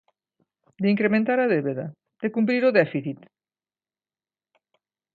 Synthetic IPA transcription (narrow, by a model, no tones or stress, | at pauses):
d̪eiŋkɾemẽnt̪aɾaðeβeða̰ | d̪̥ekump̬ɾiɾoðɛfiθit̪